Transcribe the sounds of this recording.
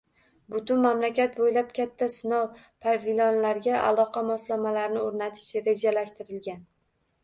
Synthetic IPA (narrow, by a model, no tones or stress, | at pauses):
bʊt̪ʊnmamlakʲʰat̪̚bojlap̚kʲʰat̪ʰːasɪnɒw | pʰavɪlɒnlaɾɡʲaʔa̰lˠɒqʰɑmɒslˠamalaɾnɪoɾnat̪ʰɪ̥ʃɾe̞d͡ʒalaʃt̪ɪɾɪlɡʲan